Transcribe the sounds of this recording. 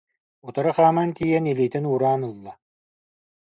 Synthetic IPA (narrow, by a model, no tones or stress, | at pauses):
ut̪aɾaχaːmant̪iːjɛniliːt̪inuːɾaːnɯlˠːa